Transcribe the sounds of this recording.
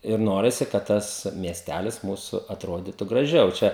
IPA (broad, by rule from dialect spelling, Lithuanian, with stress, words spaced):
ɪr ˈnoːrʲɪsʲɪ kɐt ˈtɐs mʲiɛsʲˈtʲælʲɪs ˈmuːsʊ ɐtˈroːdʲiːtʊ ɡrɐˈʒʲɛʊ ˈt͡ʃʲɛ